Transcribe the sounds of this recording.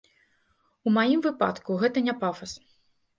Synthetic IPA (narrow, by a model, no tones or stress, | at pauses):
umajimvɨpa̰t̪kuɣɛt̪ɐnʲapafɐs